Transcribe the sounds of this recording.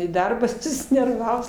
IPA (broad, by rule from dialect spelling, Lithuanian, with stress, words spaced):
iː ˈdɐrbɑː sʊsʲɪnʲɛrˈʋɑːʋʊs